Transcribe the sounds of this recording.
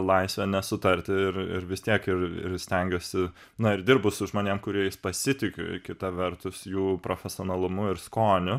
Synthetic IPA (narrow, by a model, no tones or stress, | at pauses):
lˠɐɪsʲʋʲɛnʲɛsʊt̪ɐɾʲt̪ʲɪɪɾɪ̰ɾʋʲɪsʲt̪ʲiɛkɪrɪ̰rsʲt̪ʲɛŋʲɡʲoːsʲɪ | nɐɪɾd̪ʲɪɾrbʊsʊʒmoːnʲiɛmkʊɾʲiɛjɪspɐsʲɪt̪ʲɪkʲʊ̰kʲɪt̪ɐʋʲɛrt̪ʊsjuːpɾoːfʲɛsʲɪoːnɐlˠʊmʊɪɾskoːnʲʊ